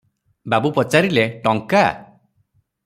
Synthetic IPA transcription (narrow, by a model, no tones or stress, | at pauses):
babupɔt͡ʃaɾileʈɔŋka